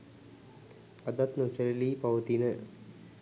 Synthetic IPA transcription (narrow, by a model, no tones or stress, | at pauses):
ad̪at̪not͡ʃəɾiliːpaʋət̪inə